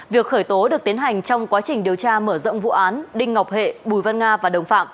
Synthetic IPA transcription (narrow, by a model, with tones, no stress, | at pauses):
vi˨˩ək̚xəː˧˩jt̪o˨˦ɗɨ˨˩ək̚t̪i˨˦ənɦa˨˩jŋ̟t͡ɕɔ˧wŋ͡mkwaː˨˦t͡ɕï˨˩ŋ̟ɗi˨˩əwt͡ɕaː˧məː˧˩zə̰˧˨ŋ͡mvṵ˧˨ʔaː˨˦nɗï˧ŋ̟ŋ˨˩wk͡p̚hḛ˧˨ɓu˧˩jvə˧nŋaː˧vaː˨˩ɗə˨˩wŋ͡mfa̰ː˧˨m